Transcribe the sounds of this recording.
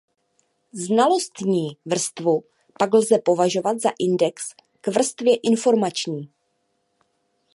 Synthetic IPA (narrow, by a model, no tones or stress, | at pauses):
znalo̞st̪ɲiːvr̩st̪vu | paɡlzɛpo̞vaʒo̞vad̪zaʔɪndɛks | kvr̩st̪vjɛʔɪnfo̞ɾmat͡ʃɲiː